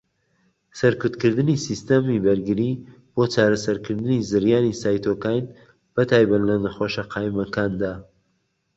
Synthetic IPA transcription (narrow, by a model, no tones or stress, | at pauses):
sɐɾkʊt̪kɨɾd̪ɨnisist̪ɐmibɐɾɡɨɾi | b̥ot͡ʃaːɾɐsɐɾkɨɾd̪ɨnizɨɾjaːnisaːjt̪ʰoːkaːjn | b̥ɐt̪ʰaːjbat̪lɐnɐxoːʃɐqʰɑːjmɐkaːnd̪aː